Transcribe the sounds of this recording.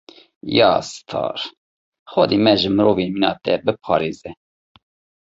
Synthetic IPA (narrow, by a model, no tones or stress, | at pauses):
jɑːst̪ʰɑ̰ːɾ | xɔd̪emɛʒɨmɨɾoːvenminɑ̰ːt̪ɛbɨpʰɑ̰ːɾeːzɛ